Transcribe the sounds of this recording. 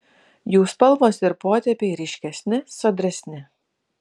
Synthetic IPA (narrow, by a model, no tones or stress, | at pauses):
juːspɐlˠʋoːsɪɾpoːt̪ʲɛpʲeɪɾʲɛɪʃʲkʲɛsʲnʲɪsɐd̪ʲɾʲɛsʲnʲɪ